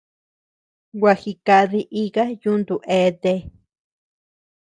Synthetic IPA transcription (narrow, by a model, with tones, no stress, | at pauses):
wa˧xi˧ka˧ði˧ʔi˧ɣa˦ju˦nd̪u˨ʔe˧˦d̪e˧